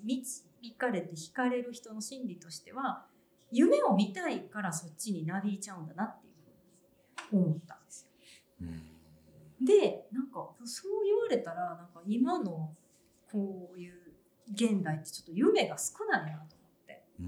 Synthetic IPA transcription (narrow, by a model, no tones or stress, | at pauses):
mʲit͡ɕi̥mʲikaɾe̞t̪e̞çi̥kaɾe̞ɾɯ̟çi̥t̪o̞no̞ɕĩnɾʲit̪o̞ɕi̥t̪e̞βa | jɯ̟me̞o̞mʲit̪aikaɾaso̞tt͡ɕːiɲ̟inabʲit͡ɕaɯ̟̃nd̪anat̪ːe̞jɯ̟ɸɯ̟ːɲ̟i | o̞mot̪ːã̰nd̪̥esɨ̥jo | d̪e̞nãŋkaso̞ːjɯβaɾe̞t̪aɾanãŋkaimano̞ | kʰo̞ːjɯ̟ː | ɡẽ̞nd̪ait̪ːe̞̥t͡ɕo̞̥t̪ːojɯ̟me̞ɡasɨ̥kɯ̟nainat̪o̞mo̞t̪ːe̞̰